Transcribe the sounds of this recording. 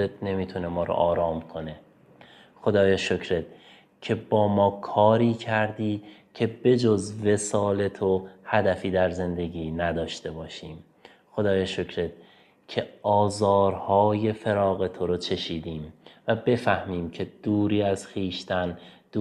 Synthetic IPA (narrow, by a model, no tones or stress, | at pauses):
et̪̚ne̞miːt̪ʰune̞mɒːɾo̰ʔɒːɾɒːmkʰo̞ne̞ | xo̞d̪ɒːjeʃocʰɾet̪̚ | cʰe̞bɒːmɒːkʰɒːɾiːcʰæɾd̪iː | cʲʰe̞be̞d͡ʒozve̞sɒːle̞t̪ʰo̞hæd̪æfiːd̪æɾze̞nd̪e̞ɡiːnæd̪ɒːʃt̪e̞bɒːʃiːm | xod̪ɒːjeʃocʰɾet̪ | cʰe̞ɒːzɒːɾhɒːje̞feɾɒːɣe̞t̪ʰo̞ɾot͡ʃʰe̞ʃiːd̪iːmvæbe̞fæhmiːmcʰe̞d̪̥uːɾiːæz̥xiːʃt̪ænd̪̥